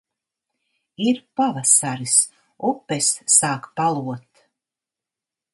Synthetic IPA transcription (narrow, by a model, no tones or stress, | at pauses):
iɾpavasaɾis | upːɛsːaːkpalˠuɔt̪